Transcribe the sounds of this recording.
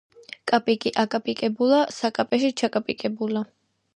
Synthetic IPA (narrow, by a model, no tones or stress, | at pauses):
kʼapʼikʼiʔakʼapʼikʼɛbulasakʼapʼɛʃit͡ʃʰakʼapʼikʼɛbula